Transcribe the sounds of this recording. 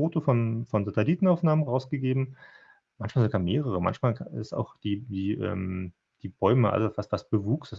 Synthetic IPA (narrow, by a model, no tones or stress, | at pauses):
oːtofɔnfɔnzatʰɛliːtn̩aʊfnaːmənʁaʊsɡ̥əɡeːbm̩ | mançmalzɪznt̚ɡ̥aːmeːʁ̞əʁ̞əma̰nçmaːlʰɪ̰sta̰ʊxd̥iːd̥iːʔɛ̰ːm | d̥iːb̥ɔʏməʔa̰lzovastv̥ast̚b̥əvuːksd̥as